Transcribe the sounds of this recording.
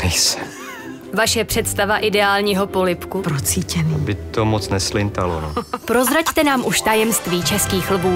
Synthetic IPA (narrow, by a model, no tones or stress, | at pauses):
mɛjsɛ̥ | vaʃɛpr̝̥ɛt̪st̪avaʔɪdɛaːlɲiːɦo̞po̞lɪpkupɾot͡siːcɛnbɪt̪omot͡snɛslɪnt̪alo̰nopɾo̞zɾact̪ɛnaːmʔuʃt̪ajɛmst̪viːt͡ʃɛskiːxlbuː